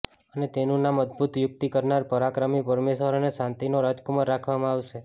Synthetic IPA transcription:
ənet̪enũnaməd̪̚bʱut̪jʊk̚t̪ikəɾnaɾpəɾakɾəmipəɾmeʃəɾoneʃãnt̪inoɾad͡ʒkuməɾːakʰʋamãaʋʃe

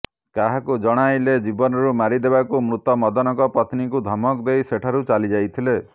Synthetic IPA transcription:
kaɦakud͡ʒɔɽ̃ajled͡ʒibɔnɔɾumaɾid̪ebakumɾut̪ɔmɔd̪ɔnɔkɔpɾɔt̪nikud̪ʱɔmɔkd̪ejseʈʰaɾut͡ʃalid͡ʒajt̪ʰile

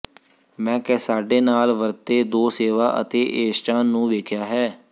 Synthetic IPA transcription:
mɛ̃ːkɛːsaːɖeːnaːlʋəɾt̪eːd̪oːseːʋaːʔə̰t̪eːʔeːst͡ʃaːnːũːʋeːkʰjaːɦɛː

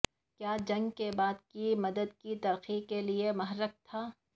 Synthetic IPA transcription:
kjaːd͡ʒɐ̃ŋɡkebaːd̪̚kimɐd̪əd̪̚kit̪ɐɾxikeliemɐɦəɾək̚t̪ʰaː

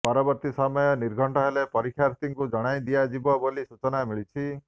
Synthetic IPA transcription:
pɔɾɔbɔɾt̪isɔmɔjɔniɾɡʱɔɳʈɔɦelepɔɾikʰːjaɾt̪iŋkud͡ʒɔɽ̃ajd̪ijad͡ʒibɔbolisut͡ʃɔnamiɭit͡ʃʰi

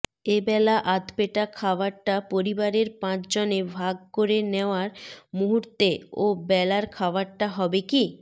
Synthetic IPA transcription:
ebɛlaʔad̪peʈakʰabaɾʈapoɾibaɾeɾpãt͡ɕd͡ʑonebʱaɡ̚koɾeneoaɾmuɦuɾt̪eobɛlaɾkʰabaɾʈaɦɔbeki

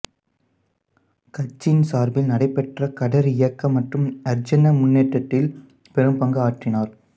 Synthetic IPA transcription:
kɐt͡ʃːɪnsaːɾbɪlnɐɽɐɪpːɛʈrɐkɐɽɐɾɪjɐkːɐmːɐʈrɯmɐɾd͡ʒɐnːɐmʊnːeːʈːɐt̪ːɪl | pɛɾɯmpɐŋɡɐaːʈrɪnaːɾ

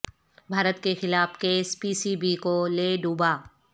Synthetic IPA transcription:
bʱaːɾət̪kexɪlaːfkeːspiːsibikoleːɖuːbaː

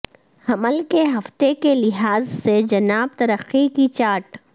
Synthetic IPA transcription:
hɐməlkeɦɐft̪ekelɪɦaːzsed͡ʒɐnaːb̚t̪ɐɾəqːikit͡ʃaːʈ

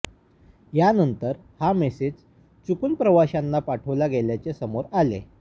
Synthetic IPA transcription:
janənt̪əɾ | hamesed͡z | t͡sukuːnpɾəʋaɕanːapaʈʰəʋlaɡeljat͡sesəmoɾalḛ

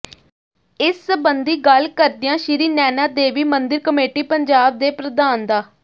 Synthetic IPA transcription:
ɪsːəbənd̪iːɡəlkəɾd̪ɪjãːʃɪɾiːnɛːnaːd̪eːʋiːmənd̪ɪɾkəmeːʈiːpəɲd͡ʒaːb̚d̪eːpɾəd̪aːnd̪aː

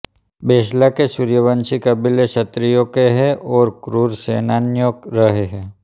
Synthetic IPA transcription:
beːslakesʊɾjəʋə̃nt͡ʃikɐbɪleʃɐt̪ɾijõkeɦɛʔɔːɾkɾuːɾseːnaːnjõɾɐɦeɦɛ̃ː

